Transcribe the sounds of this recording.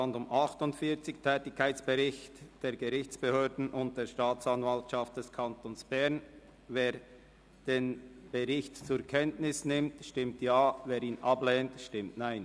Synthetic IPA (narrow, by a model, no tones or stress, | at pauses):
andʊmʔɑχtʊntfiːɐt͡sɪçtʰɛːtɪkʰːaɪt͡sb̥ɛʁɪçtd̥eːɐɡəʁɪçt͡sb̥əhøːdn̩ʔʊnt̚d̥eːɾʃtaːt͡sanvaltʃaft̚d̥ɛskʰɑntoːnsb̥ɛʁn | veː | d̥eːnb̥ɛʁɪçtt͡suːkʰɛntnɪsnɪmtʃtɪmtjaːveːɾiːnʔɑblɛːntʃtɪmtnaɪn